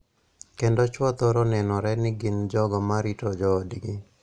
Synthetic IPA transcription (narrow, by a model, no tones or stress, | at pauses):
kendot͡ʃwɔt̪ɔɾonɛnɔɾɛnɪɡɪnd͡ʒɔɡɔmaɾitod͡ʒɔːdiɡi